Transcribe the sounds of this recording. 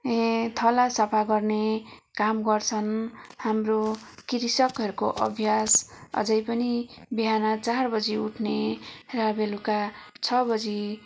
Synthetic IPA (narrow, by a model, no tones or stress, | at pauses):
ẽt̪ʰʌlasʌpʰaɡʌrnekamɡʌrt͡sʰʌnhamrokiɾisʌkɦʌɾukoʔʌ̰bʱjasʌ̰d͡zʌjpʌnibiɦanat͡sarbʌd͡ziuʈʰnerʌbeluka | t͡sʰʌbʌd͡zi